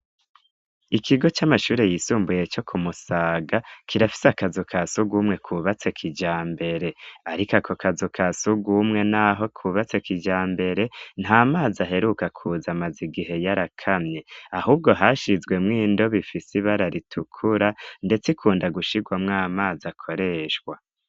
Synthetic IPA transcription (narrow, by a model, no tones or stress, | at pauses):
ikʰiɡo̞t͡ʃamaʃuːɾe̞jisuːmbuje̞t͡ʃo̞kʰumusaːɡakʰiɾafi̥seakazokʰasuɡuːmŋe̞kʰuβat͡se̞kʰid͡ʒaːmbe̞ɾe̞aɾikakʰo̞kazokʰasuɡumŋe̞naːɦo̞kʰuːβat͡se̞kid͡ʒaːmbe̞ɾe̞n̥haːmaːzaɦe̞ɾukakʰuzamaziɡiɦe̞jaɾakʰamɲeaɦuːb̚ɡo̞ɦaʃizɡwe̞mŋiːndo̞βifisiβaɾaɾitʰukʰuɾande̞t͡sikʰuːndaɡuʃiɡwamŋaːmaːzakʰo̞ɾe̞ʃɡwa